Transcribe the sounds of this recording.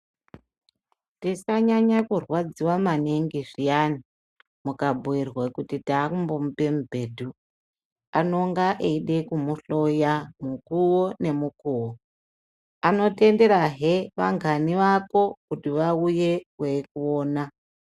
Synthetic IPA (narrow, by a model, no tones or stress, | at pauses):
tisaɲaɲakurwad͡ziwamaneŋɡiʐijani | mukabuirwekutitaːkumbo̞mupe̞mubʱe̞ːdʱu | ano̞ŋɡaʔeiɗe̞kumuɬo̞jamukuwone̞mukuːwo | ano̞te̞nde̞ɾaɦeʋaŋɡʱaniʋako̞kutiʋauje̞kwekuoːna